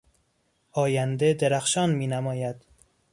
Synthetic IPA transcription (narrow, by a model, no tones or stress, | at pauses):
ɒːjænd̪ed̪eɾæxʃɒːnmiːnæmɒːjæd̪̥